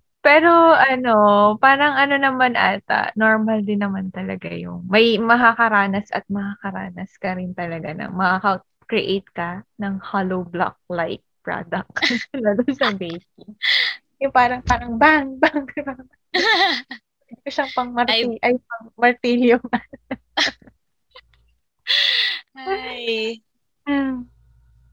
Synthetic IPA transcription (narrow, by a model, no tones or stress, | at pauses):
pɛːɾoɐno̞paːɾɐŋɐno̞nɐmanʔa̰ːt̪ɐ̰noɹmɐld̪ɪnːɐmant̪ɐlɐ̰ɡa̰jʊ̰ŋmɐjmɐɦɐkɐɾaːnɐsʔɐ̰t̪̚mɐhakɐɾa̰ːnɐskɐɾɪnt̪ɐlɐɡanɐ̰ŋmɐhakɐ | kɾɪʔejt̪̚kɐnɐŋhalowbla̰k̚lajk̚pɹa̰d̪ɐk̚ɐlad̪onsɐbejsiŋ | jʊŋpaːɾɐŋpaːɾɐŋbaŋbaŋbaŋ | d̪koʃɐŋpɐŋmɐɾt̪iʔɐjpɐŋmɐɾt̪iljomɐ | a | m̩